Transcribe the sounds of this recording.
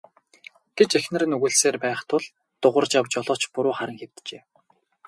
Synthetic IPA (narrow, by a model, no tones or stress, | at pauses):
ɡ̥et͡ɕexnɘ̆rɘ̆nɵɣɵ̆ɮseːrpæːχt̪ʰʊɮ | t̪ʊʁə̆rt͡ɕjawt͡ɕɔɮɔːt͡ɕpuɾʊːχaɾə̆ŋxew̥t̪t͡ɕeː